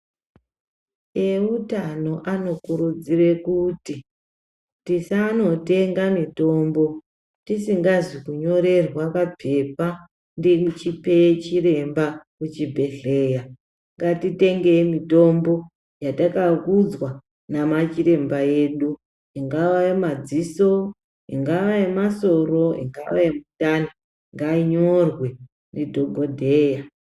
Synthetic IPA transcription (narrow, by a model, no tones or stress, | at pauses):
eutano̞ʔano̞kuɾud͡zire̞kuti | tisano̞te̞ŋɡamito̞ːmbo̞ | tisiŋɡazikuɲo̞ɾe̞rwakap͡fe̞pa | ndekut͡ʃipet͡ʃire̞mbakut͡ʃibʱe̞ɬe̞ːja | ŋɡatiteŋɡemito̞mbo̞ | jatakakud͡zwa | namat͡ʃiɾe̞mbaje̞ːɗu | iŋɡaʋaemad͡ziso̞ | ḭŋɡaʋaemaso̞ro̞ḭŋɡaʋaemutani | ŋɡaiɲorwe̞ | nedʱoɡʱodʱeja